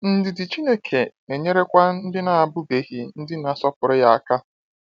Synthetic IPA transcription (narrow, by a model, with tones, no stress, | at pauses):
n̩˦dɪ˨dɪ˨t͡ʃi˦ne˦kʰe˨ne˨ɲe˦ɾe˦kʷa˦n̩˦dɪ˦na˨a˨bʊ˦be˨ɣi˨n̩˦dɪ˦na˨sɔ˦pʊ˨ɾɪ˦ja˨a˨ka˦